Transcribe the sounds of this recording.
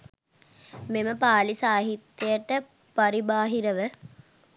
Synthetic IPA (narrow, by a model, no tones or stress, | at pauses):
meməpaːlisaːɦit̪ːjejəʈə | paɾibaːɦiɾəʋə